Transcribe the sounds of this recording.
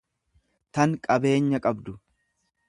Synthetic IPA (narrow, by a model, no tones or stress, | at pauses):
t̪ɐŋkʼɐbe̞ːɲːɐkʼɐbd̪ʊ